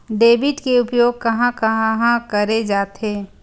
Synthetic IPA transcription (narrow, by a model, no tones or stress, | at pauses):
ɖeːbɪʈkeʊpjoːɡ̚kɐɦãkɐɦãɦãkɐɾed͡ʒaːt̪ɦeː